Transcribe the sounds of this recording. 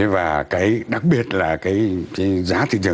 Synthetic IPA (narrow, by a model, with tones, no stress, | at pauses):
e˨˦vaː˨˩kaː˨˦jɗa˨˩k̚ɓi˨˧˩ət̚laː˨˩kaː˨˦jkaː˨˦zaː˨˦t̪ʰḭ˧˨zɨ˨˩